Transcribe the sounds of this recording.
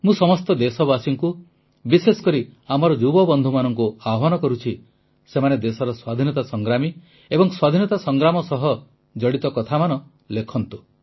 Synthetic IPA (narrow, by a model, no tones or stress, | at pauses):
mũsɔmɔst̪ɔd̪esɔbasiŋku | bisesɔ̥kɔɾiamɔɾɔd͡ʒubɔbɔnd̪ʱumanɔŋkuaɦɔnɔkɔɾut͡ʃʰi | semaned̪esɔɾɔswad̪ʱinɔt̪asɔŋɡɾami | ebɔŋswad̪ʱinɔt̪asɔŋɡɾamɔsɔɦɔ | d͡ʒɔɽit̪ɔkɔt̪ʰamanɔ | lekʰɔnt̪u